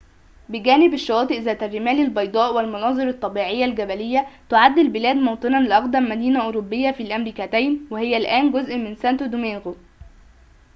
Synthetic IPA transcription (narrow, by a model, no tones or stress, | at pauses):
bɪɡæːnɪbɪʃːɑwɑːt̪ˤɨʔzæːt̪ærːɪmæːlɪlbɑjd̪ˤɑːʔwɪlmɑnɑːzˤɨɾɑt̪ˤːɑbiːʕejːælɡæbælɪjːæt̪ʊʕad̪ːɪlbɪlæːd̪mowt̪ˤɨnɑnlɪʔɑqd̪æmːæd̪iːnæʔʊɾobːɪjːæfiːlʔæmɾiːkæt̪æjnwehɪjːælʔæːnɡʊzʔmɪnsænt̪od̪umenɣo